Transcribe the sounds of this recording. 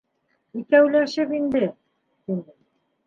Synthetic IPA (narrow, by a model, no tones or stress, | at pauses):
ikæwlæʃɘpind̪ɘ | t̪inɘ